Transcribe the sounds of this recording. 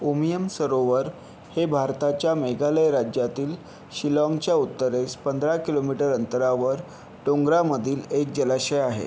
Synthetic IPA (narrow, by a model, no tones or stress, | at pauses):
omijəmsəɾoʋəɾ | hebʱaɾt̪at͡ɕjameɡaləjɾad͡ʑjat̪iːl | ɕilɔ̃ŋɡt͡ɕjaut̪ːəɾespənd̪ɾakilomiʈəɾənt̪əɾaʋəɾ | ʈoŋɡɾaməd̪ʱiːlek̚d͡ʑəlaɕəjaɦḛ